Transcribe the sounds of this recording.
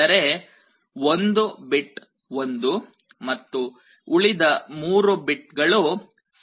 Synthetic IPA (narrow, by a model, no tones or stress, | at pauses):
ɐɾe̞ | ond̪ubiʈ | ond̪u | mɐt̪ːu | uɭid̪ɐmuːɾubiʈɡɐɭu | s